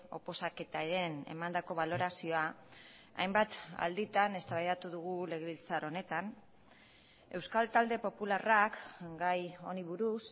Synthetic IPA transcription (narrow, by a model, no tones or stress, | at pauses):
o̞po̞sake̞t̪aeɾe̞ne̞̰mand̪ako̞βalo̞ɾasio̞a | a̰jmbat̪a̰ld̪it̪ane̞st̪aβajðat̪uðuɣ̞ule̞ɣ̞e̞βilt͡saɾo̞ne̞t̪an | e̞wskalt̪ald̪e̞po̞pularakɡajo̞niβuɾus